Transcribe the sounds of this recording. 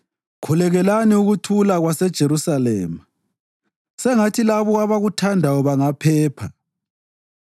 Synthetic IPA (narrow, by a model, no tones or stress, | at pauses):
kʰulɛɣɛlaniuɣutʰulaɣwasɛd̥ʒ̥ʱeɾusalɛ̰ːma | sɛŋatʰilaβɔaβaɣutʰandʱawɔβaŋapʰɛːpʰa̰